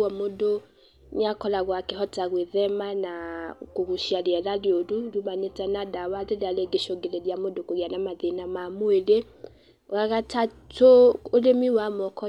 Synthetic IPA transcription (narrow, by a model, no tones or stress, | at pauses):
ɔmodo | ɲakɔlaɣwakeɦɔtaɣweðɛmanakoɣuʃiaɾeɛɾaɾjoɾuɾumaɲetɛnadawaðeɾaleɡeʃoɡeɾeɾjamodokoɣjanamaðenamamoeɾe | ɣaɣata | tʰoolemiwamɔkɔ